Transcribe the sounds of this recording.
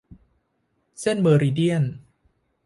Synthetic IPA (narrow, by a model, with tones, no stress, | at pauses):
se˥˩nmɤː˧ɾiː˧di˥˩ən